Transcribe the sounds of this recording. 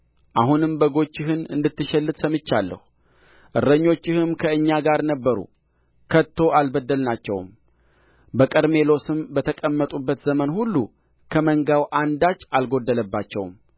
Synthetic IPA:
ʔahunɨmbəɡo̞t͡ʃːɪɦɨnɨ̰nd̪ɨt̪ːɨʃɛlːɨt̪səmɨt͡ʃːalːə̰hu | ʔɨɾːəɲːo̞t͡ʃːɪhɨmkʰəɨɲːaɡaɾnəbːəɾṵ | kʰət̪ʰːo̞ʔalbəd̪ːəlnat͡ʃːɛ̰wm | bəkʼəɾme̞lo̞sɨmbət̪ʰəkʼəmːət̪ʼubːət̪zəmənhulːṵ | kʰəməŋɡawʔand̪at͡ʃːalɡo̞d̪ːələbːat͡ʃːɛ̰wm

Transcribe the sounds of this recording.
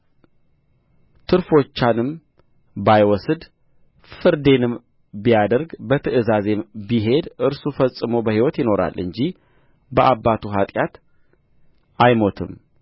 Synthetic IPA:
t̪ʰɨɾfo̞t͡ʃːanɨm | bajwɔsd̪ | fɨɾd̪e̞nɨm | bijad̪əɾɡbət̪ʰɨʔɨzaze̞mbiɦe̞d̪ʔɨɾsufəsʼːɨmo̞bəhiwɔt̪jɪno̞ɾa̰lːʔɨɲd͡ʒi | bəʔabːat̪ʰuɦat̪ʼjat̪ | ajmo̞t̪ʰɨ̰m

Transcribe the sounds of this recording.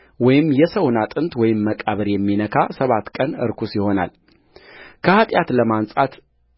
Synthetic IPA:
wɔjɪmːjɛsəwnat̪ʼɨnt̪wɔjɪmːəkʼaβəɾjɛmːinəkʰasəβat̪kʼənɨ̰ɾkʰusjɪho̞na̰l | kʰəhat̪ʼjat̪ləmansʼat̪

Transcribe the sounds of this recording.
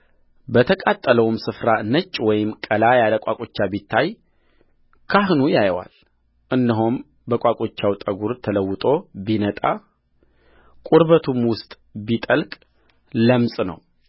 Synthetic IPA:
bət̪ʰəkʼat̪ʼːələwmsɨfɾanət͡ʃʼːwɔjɪmkʼəlajaləkʼakʼot͡ʃːabit̪ʰːaj | kʰahnujajwa̰l | ʔɨnːəɦom | bəkʷʼakʼot͡ʃːawt̪ʼəɡuɾt̪ʰələwːɨt̪ʼo̞binət̪ʼa | kʼuɾbət̪ʰumwʊst̪ʼ | bit̪ʼəlkʼ | ləmsʼnə̰w

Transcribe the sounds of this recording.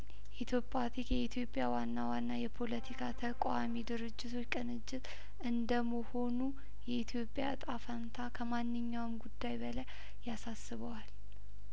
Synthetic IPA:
it̪ʰjo̞pʼːat̪ʰikjɛit̪ʰjo̞pʼjawanːawanːajɛpʰo̞lət̪ʰikʰat̪ʰəkʼamid̪ɨɾɨd͡ʒːɪt̪ʰo̞t͡ʃːkʼɨnɨd͡ʒːɪt̪ʼ | ɨnd̪əmoho̞nu | jɛit̪ʰjo̞pʼːja̰t̪ʼafant̪ʰakʰəmanːɨɲːawmɡud̪ːajbəlaj | jasasːɨβəwal

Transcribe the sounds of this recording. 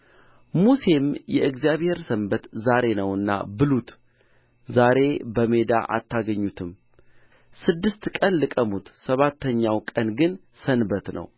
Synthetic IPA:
muse̞mjɛʔɨɡzijaβhe̞ɾsəmbət̪zaɾe̞nəwɨnːa̰bɨlut̪ | zaɾe̞bəme̞d̪a̰ʔa̰t̪ʰːaɡəɲːut̪ʰɨm | sɨd̪ːɨst̪kʼənlɨkʼəmut̪səβat̪ʰːəɲːawkʼənɡɨn | sənbət̪nə̰w

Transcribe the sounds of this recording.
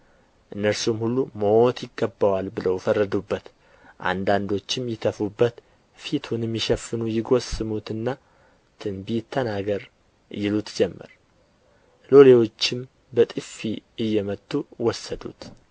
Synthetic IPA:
ʔɨnːəɾsumhulːumoot̪jɪɡːəbəwalbɨləwfərːəd̪ubːət̪ | ʔa̰nd̪and̪o̞t͡ʃːɪmjɪt̪ʰəfubːət̪ | fit̪ʰunɛmːiʃəfɨnujɪɡo̞sɨmut̪ɨnːa | t̪ʰɨnbit̪ʰːənaɡəɾ | jɪlut̪d͡ʒɛmːə̰ɾ | lo̞le̞wo̞t͡ʃːɪm | bət̪ʼɨfːiɨjːɛmət̪ʼːuwɔsəd̪ṵt̪

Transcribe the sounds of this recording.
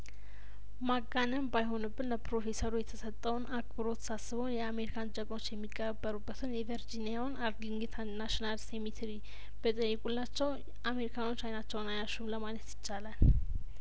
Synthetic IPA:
maɡanəmbajɦo̞nɨbːɨnləpɾo̞fe̞səɾujɛt̪ʰəsət̪ʼːəwnak̚ʼbɨɾo̞t̪sasːɨβəwnjɛame̞ɾikʰant͡ʃʼəkʼmo̞t͡ʃːjɛmːikʼːəbːəɾubːət̪ʰɨnjɛvəɾd͡ʒinijawnaɾd̪liŋɡit̪ʰanaʃinalsemit̪ʰɾi | b̥ət̪ʼəjːɪkʼulːat͡ʃːɛw | ame̞ɾikʰano̞t͡ʃːajnat͡ʃːɛwnajaʃumləmanət̪jɪt͡ʃːalal

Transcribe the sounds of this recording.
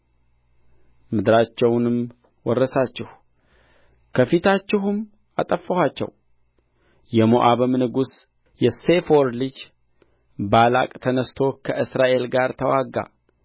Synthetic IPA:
mɨd̪ɾat͡ʃːɛwnɨm | wɔrːəsat͡ʃːɪh | kʰəfit̪ʰat͡ʃːɪɦʊm | at̪ʼəfːəhat͡ʃːɛ̰w | jɛmoʔaβɨmnɨɡus | jɛsefoɾlɨd͡ʒ | bala̰kʼt̪ʰənəst̪ʰo̞kʰəʔɨsɾaʔe̞lɡaɾt̪ʰəwaɡa̰

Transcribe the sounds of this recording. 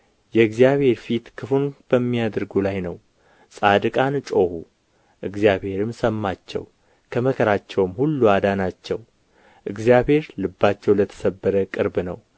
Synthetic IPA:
jɛɨɡzijaβhe̞ɾfit̪kʰɨfunb̥əmːijad̪ɾɡulajnəw | sʼad̪ɨkʼant͡ʃʼo̞hu | ʔɨɡzijaβhe̞ɾɨmsəmːat͡ʃːɛ̰w | kʰəməkʰəɾat͡ʃːɛwmhulːuad̪anat͡ʃːɛw | ʔɨɡzijabhe̞ɾlɨbːat͡ʃːɛwlət̪ʰə̥səbːəɾəkʼɨɾbnəw

